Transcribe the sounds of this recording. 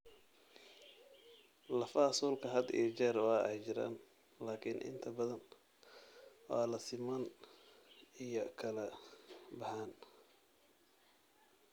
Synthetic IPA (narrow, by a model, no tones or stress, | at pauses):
lɐfɐsuːlkʰɐɦɐd̪ḭt͡ʃɛːɾwaːʔɛjt͡ʃɪɾa̰ːn | laːkʰɪnʔɪ̰nt̪ʰɐbɐðɐn | waːlɐsɪman | ijɔkʰɐlɐbɑħaːn